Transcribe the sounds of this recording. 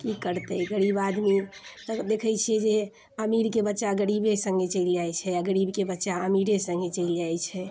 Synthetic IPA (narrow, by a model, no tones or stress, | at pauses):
kikəɾt̪əɡəɾibad̪mit̪d̪ekʰət͡ʃʰiɛd͡ʒe | əmiɾkebətːʃaɡəɾibesə̃ŋɡet͡ʃəild͡ʒajt͡ʃʰɛəɡəɾibkebətːʃaəmiɾesə̃ŋɡet͡ʃəɪld͡ʒajt͡ʃʰɛ